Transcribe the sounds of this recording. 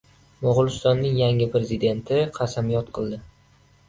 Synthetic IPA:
mʊʁʊlˠʊst̪ɒnːɪŋjaŋɪpɾe̞zid̪e̞nt̪ʰɪqʰɑsamjɒt̪qʰɨlˠd̪ɪ

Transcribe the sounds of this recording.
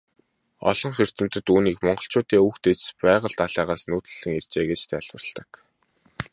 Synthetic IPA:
ɔ̰ɮɞ̆ŋχer̥t̪ɘ̆m̥t̪ɘ̆t̪uːniːkmɔɴɢɞ̆ɬt͡ɕʊːt̪iːŋuxt̪et͡ɕspæːʁə̆ɮt̪aɮæːʁaːsnuːt̪ɘ̆ɮɘ̆ŋert͡ɕeːɡet͡ɕt̪ʰæːɮwə̆rɮt̪ə̆k

